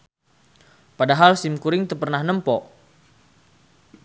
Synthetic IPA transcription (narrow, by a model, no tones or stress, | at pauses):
padaɦalsɪmkuɾɪŋt̪ərpərnahnəmpɔ